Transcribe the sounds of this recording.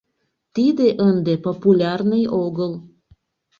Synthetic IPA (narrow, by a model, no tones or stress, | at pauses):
t̪id̪eʔənd̪epopulʲɑrnəjoɣəl